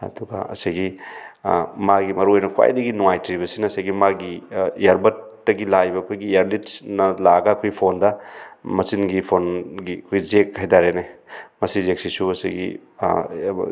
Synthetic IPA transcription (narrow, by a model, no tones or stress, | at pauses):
ɐ̰duɡɐ̰ɐ̰sajɡi | maɡimɐɾuojnɐkʰwa̰jdɐɡinuŋajtɾibɐsinɐsajɡimaɡijaɾbɐt̚d̥ɐɡilajbɐːkʰojɡiaɾlitsnɐlaɡɐkʰojpʰondɐmɐsinɡipʰonɡikʰojzekʰːhajdaɾenemɐsizek̚sisuɐsḭɡḭ